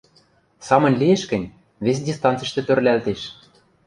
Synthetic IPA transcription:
sɑmɤ̆nʲlijeʃkɘ̆nʲ | βes̬dʲist̪ɑnt͡sə̆ʃt̪ĕt̪ø̆rlʲælt̪eʃ

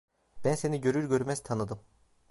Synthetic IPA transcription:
b̥ænse̞niɟø̞ɾyɾɟø̞ɾmɛzt̪ʰanɯd̪ɯm

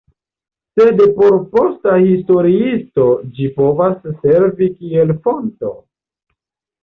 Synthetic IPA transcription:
se̞dpo̞ɾpo̞stahisto̞ɾiisto̞d͡ʒipo̞vasːe̞ɾvikielfo̞nto̞̰

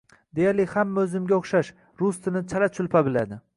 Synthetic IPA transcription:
d̪ejalɪhamːaɵzɪmɡʲaoχʃaʃ | ɾʊst̪ɪnɪt͡ʃʰalat͡ʃʰʊlpʰabɪla̰d̪ɪ

